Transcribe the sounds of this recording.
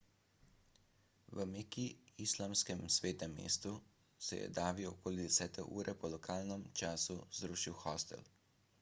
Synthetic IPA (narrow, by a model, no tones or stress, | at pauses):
ʋəmekiislamskɛmsʋeːt̪nɛmːḛːst̪u | sɛjɛ̰d̪aːʋiɔkoːlid̪ɛsɛːt̪ɛʔṵːɾɛpɔlɔkʰaːlnəmt͡ʃaːsuzd̪ɾuːʃiwxɔst̪ɛ̰l